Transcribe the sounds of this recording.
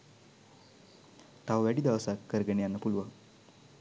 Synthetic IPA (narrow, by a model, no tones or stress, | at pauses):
ʈ̪awʋæɽid̪awsakkəɾɡəɳjanːapulʋə